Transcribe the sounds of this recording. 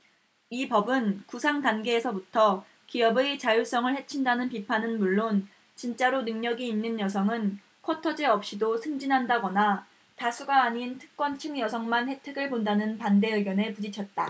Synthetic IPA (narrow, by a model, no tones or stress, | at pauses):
ipʌbɯnkusʰaŋdanɡe̞ːsʰʌbutʰʌ | kiʌbet͡ɕajus͈ʌŋɯɭhe̞t͡ɕʰindanɯnpipʰanɯnmuɭːon | t͡ɕint͡ɕ͈aɾonɯŋɲʌɡiːnːɯnjʌsʰʌŋɯn | kʰʌtʰʌd͡ʑeʌp̚ɕ͈idosʰɯŋd͡ʑinɦandaɡʌna | tasʰuɡaːɲintʰɯ̥k̚k͈wʌnt͡ɕʰɯŋjʌsʰʌŋmanhe̞tʰɯɡɯɭbondanɯnpande̞ɯɡjʌne̞puɾit͡ɕʰʌt̚t͈a